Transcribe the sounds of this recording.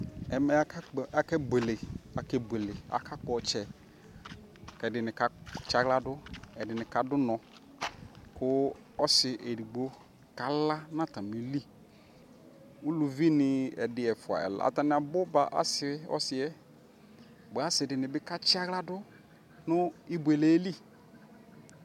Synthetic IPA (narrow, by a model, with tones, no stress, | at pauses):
ɛ˨mɛ˦ka˦˨a˨kɛ˦be˨le˨a˨kɛ˦bʷe˨le˨a̰˨ka˦k͡pʊ˨˦ɔ˨t͡ʃɛ˨ | kɛ˨dɪ˨nɪ˨ka˦t͡ʃa˦ɣla˦dʊ˦ɛ˨dɪ˨nɪ˨ka˨dʊ˦nɔ̃˨ | kʊ˦ | ɔ˦sɪ˨ʔe˨ɾi˨ɡ͡bo˦ | ka˨la˦na˦˨ta˨mi˨˦li˦ | u˦lu˨vi˦nɪ˨ɛ̰˨dɪ˨ɛ˨fʊ˨a̰˨ɛ̰˨l̰a̰˨ta˨nɪ˨a˨bʊ˦ba˨ʔa̰˦sɪ˦ɔ̰˦sɪ˨ɛ˦ | bo˨˦a˦sɪ˨dɪ˨nɪ˨bɪ˦ka˦t͡ʃɪ˦a˦ɣla˦dʊ˦ | nʊ˦i˦bwe˨le˨e˦li˦˨